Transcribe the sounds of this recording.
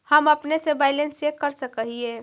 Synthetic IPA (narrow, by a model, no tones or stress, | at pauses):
həmɐpnesebaːɪlensekəɾsəkəɦiẽː